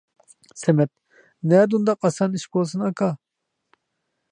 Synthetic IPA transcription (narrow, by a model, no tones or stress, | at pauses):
sɛmɛt̪̚ | nɛd̪und̪ɑqɑsɑniʃbolˠsɨnɑkɑ